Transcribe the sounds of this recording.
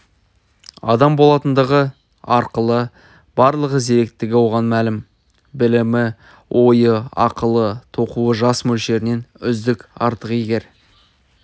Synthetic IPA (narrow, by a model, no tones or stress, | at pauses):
ɑ̰d̪ɑmbo̞lˠɑt̪ənd̪ɑʁə | ɑɾqəlˠə | b̥ɑɾlˠəʁəze̞ɾek̚t̪ɪɡʲɪwoʁɑnmælɪm | bɪlɪmɪ | wʔo̞jəɑ̰qəlˠət̪ʰo̞quəʒɑsmɵlʃe̞ɾɪne̞nʏzd̪ɪkʲɑɾt̪əqijɡʲe̞ɾ